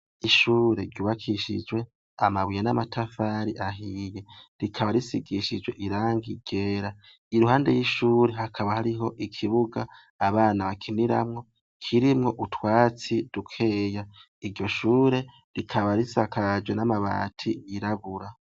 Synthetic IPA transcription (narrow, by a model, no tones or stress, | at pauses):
iʃuːɾe̞ɾɟuːβakʰiʃḭd͡ʒwe̞ | amaβijenamatʰafaɾiʔaɦije̞ɾikʰaβaɾisiɡiʃid͡ʒwe̞ʔiɾaːŋɡiɟ̥e̞ːɾa | iɾuhaːnde̞̰jiʃuːɾe̞hakʰaβahaɾiɦo̞ʔikʰiβuɡaː | βaːnaβakʰiniɾa̰mŋo̞ | kʰiɾimŋo̞ʔutwaːt͡sidukʰe̞ːja | iɾɟo̞ʃuːɾe̞ | ɾikʰaβaɾisakad͡ʒwenamaβa̰ːtʰiːɾaβuɾa